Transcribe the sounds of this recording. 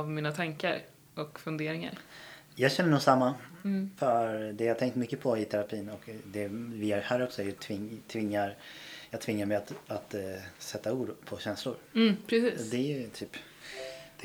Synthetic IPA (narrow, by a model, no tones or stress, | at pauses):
avmiːnat̪ʰaŋkaɾ | ɔkfɵnd̪eːɾɪŋa̰ɾ | jɑːɡɕɛnːənuːɡsamːafœɾd̪ɛjaːt̪ʰɛŋkt̪mʏkːəpʰɔɪt̪ʰɛɾapʰiːnɔkd̪ɛvɪjæhæːɾɔksɔæɾjɵt̪ʰvɪt̪ʰvɪŋːaɾjɑːɡ̚t̪ʰvɪŋːaɾmɛjat̪at̪sɛt̪ːauːd̪pʰɔɕɛnslʊɾpʰɾɛsiːd̪ɛjt̪ʰyːp | d̪̥ɛ